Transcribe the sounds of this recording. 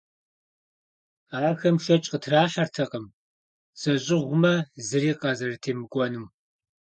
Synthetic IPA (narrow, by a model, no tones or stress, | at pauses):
aːxɐmʃɐt͡ʃʼqətʰraːɕɐrtʰɐqəm | z̥ɐɕʼɪʁʷʊmɐzɨriːqʼɐzɐrtʰeːmɨɡʷɔnɨm